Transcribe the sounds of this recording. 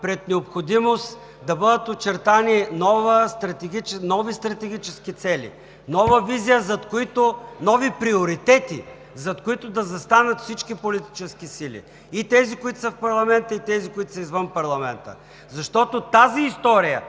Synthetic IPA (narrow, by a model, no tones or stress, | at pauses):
pɾɛt̪nɛopxod̪imost̪ | d̪ɐbəd̪ət̪ot͡ʃɛɾt̪aninɔvəst̪ɾɐt̪ɛɡ̟it͡ʃɛnɔvist̪ɾɐt̪ɛɡ̟ʲit͡ʃɛskit̪sɛlḭ | nɔvəvizijəzɐt̪koit̪onɔvipɾioɾit̪ɛt̪ḭ | zɐt̪koit̪ʊd̪ɐzɐst̪anət̪fsit͡ʃkipolit̪i̥t͡ʃɛskisilḭ | it̪ɛzikoit̪ʊsəfpɐɾlˠɐmɛnt̪əit̪ɛzikoʊit̪ʊ̥səizvənpɐɾlˠɐmɛnt̪ə̰ | zɐʃt̪ɔt̪ot̪aziːst̪ɔɾijə̰